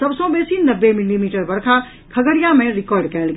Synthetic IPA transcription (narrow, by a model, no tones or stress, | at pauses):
sɐbsɔ̃ːbeːsinɐbːemɪlimiːʈəɾbɐɾkʰa | kʰɐɡəɽijãmẽɾɪkɔːɾɖkɐəlɡ